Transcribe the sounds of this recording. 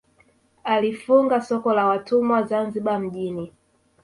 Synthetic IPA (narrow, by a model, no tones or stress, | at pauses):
alifuŋɡasɔkɔlawatumwazanziɓam̩ʄini